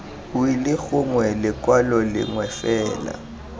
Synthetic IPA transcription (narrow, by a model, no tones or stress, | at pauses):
ʊilɪɣʊŋwɛlɪkwalɔlɪ̰ŋwɛfɛːla̰